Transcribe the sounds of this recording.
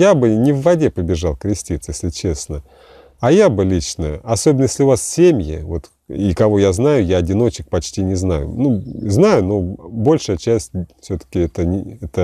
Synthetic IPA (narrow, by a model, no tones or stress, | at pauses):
jabɨnʲɪvːɐdʲepəbʲɪʐɑlˠkɾʲɪsʲtʲit̪sjesʲlʲɪt͡ɕe̞snə | ɐjabɨlʲit͡ɕnəɐsobʲɪnəjesʲlʲɪʊvassʲemʲjɪ̰vo̞t̪ | ikɐvo̞jaznajʊjaɐdʲɪno̞t͡ɕɪk̚pɐt͡ɕʲtʲinʲɪzna̰jʊ̰nuznajʊno̞bo̞lʲʂɨjət͡ɕæsʲtʲfsʲot̪ə̥kʲɪɛt̪ənʲɪɛt̪ə